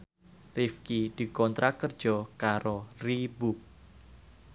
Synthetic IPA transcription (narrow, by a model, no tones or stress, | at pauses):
rifkid̪̥i̤kɔnt̪ɾakərd̥ʒ̥ɔkaɾoribuk̚